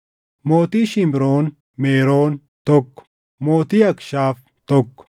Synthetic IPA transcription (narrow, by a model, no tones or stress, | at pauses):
moːt̪iʃimbɾoːn | meːɾoːn | t̪okː | moːt̪iɐkʃaːf | t̪ɔkː